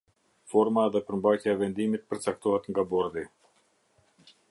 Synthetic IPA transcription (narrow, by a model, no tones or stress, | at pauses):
fɔɾmaðɛpəɾmbajcjaɛvɛnd̪imit̪̚pəɾt͡sak̚t̪ɔɦɛt̪ŋɡabɔɾd̪i